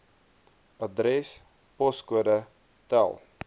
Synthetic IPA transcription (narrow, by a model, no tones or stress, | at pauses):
ɐdɾɛs | pɔskuədə | tæ̰lˠ